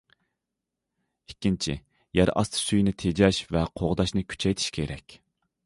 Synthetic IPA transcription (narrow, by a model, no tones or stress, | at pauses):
ikʲːint͡ʃʰɪ̰ | jæɾɑ̰st̪ʰɨ̥syjnɪt̪ʰed͡ʒɛʃvɛqʰoʁd̪ɑʃnɨkʲʰy̥t͡ʃʰɛjt̪ʰi̥ʃkʲʰeɾɛkʲ